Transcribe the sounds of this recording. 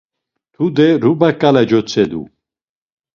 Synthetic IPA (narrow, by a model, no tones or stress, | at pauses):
t̪ʰud̪ɛɾubakʼalɛd͡ʒɔt͡sʰɛd̪ṵ